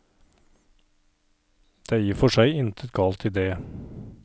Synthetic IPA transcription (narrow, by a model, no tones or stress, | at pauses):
d̪̥eːjiːɾfɔʂæɪɪnt̪ʰət̪̚ɡɑːlt̪ʰɪd̪eː